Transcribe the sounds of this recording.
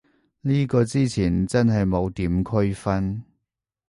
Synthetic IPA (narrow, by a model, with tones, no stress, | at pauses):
liː˥kɔː˧t͡siː˥t͡sʰiː˨˩nt͡sɐ˥nɦɐ˨jmo˨˧wt̪iː˨˥mkʰɵ˥ɥfɐ˥n